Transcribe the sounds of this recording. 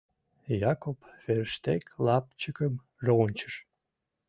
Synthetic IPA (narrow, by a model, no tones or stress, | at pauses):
jɑkopfeɾəʃt̪eklɑp̚t͡ɕəkəm | ʒoʁonʲt͡ɕəʃ